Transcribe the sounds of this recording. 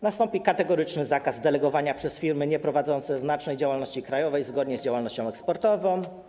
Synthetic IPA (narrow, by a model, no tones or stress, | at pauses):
nast̪ɔmpʲikat̪ɛɡɔɾɘt͡ʂnɘzakazd̪ɛlɛɡɔvaɲapʂɛsfʲiɾmɘɲɛpɾɔvad̪zɔnt̪sɛznat͡ʂnɛjd͡ʑawalnɔɕt͡ɕikɾajɔvɛjzɡɔd̪ɲɛzd͡ʑawalnɔɕt͡ɕɔ̃w̃ɛkspɔɾt̪ɔvɔ̃w̃